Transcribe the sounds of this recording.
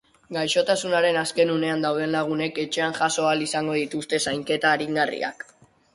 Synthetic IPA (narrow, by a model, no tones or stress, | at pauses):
ɡajʃo̞t̪asunaɾe̞naske̞nune̞and̪awð̞e̞nlaɣ̞une̞ke̞t͡ʃe̞anʝaso̞alisaŋɡo̞ð̞it̪ust̪e̞sajŋke̞t̪aːɾiŋɡarḭa̰k